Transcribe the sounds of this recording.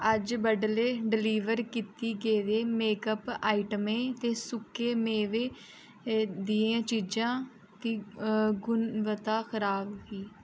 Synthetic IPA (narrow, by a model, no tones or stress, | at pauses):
əd͡ʒbəɖleːɖɪliːʋəɾkiːt̪iːɡeːd̪eːmeːkəpaːiʈəmẽːt̪eːsʊkːeːmeːʋeː | d̪iːãːt͡ʃiːd͡ʒãː | t̪iːɡʊnʋət̪aːxʰəɾaːbɦiː